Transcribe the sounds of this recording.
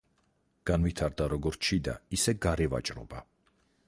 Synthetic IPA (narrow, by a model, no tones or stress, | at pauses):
ɡ̥anvit̪ʰaɾd̪aɾɔɡɔɾʃʰid̪a̰isɛɡaɾɛva̰t͡ʃʼɾɔ̰ba